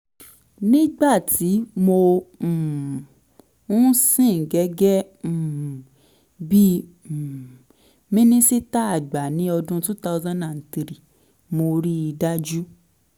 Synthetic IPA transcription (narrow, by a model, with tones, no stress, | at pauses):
nĩ˦ɡ͡ba˦˨ti˨˦mõ˧˨ | ũ˦sĩ˦˨ɡɛ˨˦ɡɛ̃˦˨ | bi˦˨ | mĩ˦nĩ˦si˦ta˦a˦˨ɡ͡ba˨nĩ˨˦ɔ˧dũ˦tu˦ta˦wzã˦nã˨n˨ti˨ɾi˨ | mo˧ɾi˦i˧da˦d͡ʒu˦